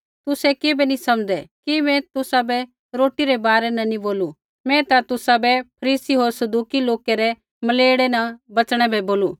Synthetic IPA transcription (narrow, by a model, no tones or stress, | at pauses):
t̪ʊsɛkeːbɛnisɐ̃md̪ɛkimɛ̃t̪ʊsabɛ | ɾoːʈiɾɛbaːɾɛnɐniboːlu | mɛ̃t̪at̪ʊsabɛpʰɐɾiːsiɦoːɾsɐd̪uːkiloːkɛɾɛ | mɐleːɽɛnɐbɐt͡ʃɽ̃ɛbɛboːluː